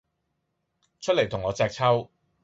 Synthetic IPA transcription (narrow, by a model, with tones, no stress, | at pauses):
t͡ʃʰɵ˥t̚le˨˩jt̪ʰʊ˨˩ŋɔː˨˧t͡sɛː˧k̚t͡sʰɐ˥w